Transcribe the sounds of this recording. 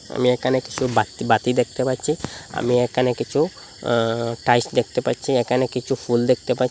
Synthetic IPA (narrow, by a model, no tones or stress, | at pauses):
a̰miekʰaneki̥t͡ʃʰubat̪bat̪id̪ek̚ʰt̪epaɾt͡ʃʰia̰miekʰanekit͡ʃʰu | ʈajsd̪ekʰt̪epaɾt͡ʃʰiekʰanekit͡ʃʰupʰuld̪ekʰt̪epa